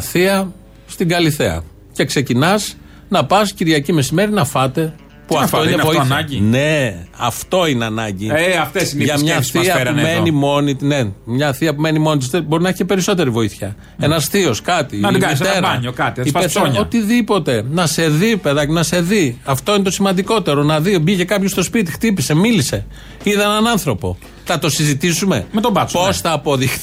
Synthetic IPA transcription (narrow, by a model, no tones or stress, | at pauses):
θiɐ | st̪iɡɐliθe̞ɐ̰ | ce̞kse̞cinɐs | nɐpɐsciɾʝɐcime̞sime̞ɾinɐfɐt̪e̞ | puɐft̪oinenvoinɐɟine̞ɐ̰ft̪o̞ineɐnɐɲɟieɐft̪esiʝɐmɲɐθiɐɾɐumenimo̞nit̪nemɲɐθiɐpume̞nimo̞nit̪ist̪ebo̞ɾinɐeçicepe̞ɾiso̞t̪e̞ɾivo̞iθçɐ | e̞nɐsθioskɐt̪iɡist̪eɾɐɲokɐt̪iioot̪iðipo̞t̪e̞nɐse̞ðipeðɐcinɐse̞ðiɐft̪o̞inet̪o̞simɐnd̪iko̞t̪e̞ɾo̞nɐðibiʝe̞kɐpçost̪o̞spit̪ixt̪ipise̞milise̞ | iðɐenɐnɐnθɾo̞po̞̰ | θɐt̪o̞sizit̪isume̞̰met̪obɐposθɐːpo̞ðixθ